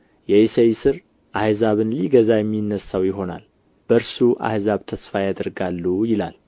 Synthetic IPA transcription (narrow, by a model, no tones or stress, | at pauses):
jɛesejsɨɾ | ʔahzaβɨnliɡəzajɛmːinːəsawjɪɦo̞na̰l | b̥əɾsuʔa̰hzaβt̪ʰəsfajad̪əɾɡalːujɪla̰l